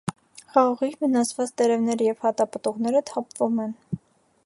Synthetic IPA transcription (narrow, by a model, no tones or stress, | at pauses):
χɑʁɑʁivənɑt͡svɑt͡st̪ɛɾɛvnɛɾəjɛvhɑt̪ɑpət̪ɔʁnɛɾət̪ʰɑpvumɛn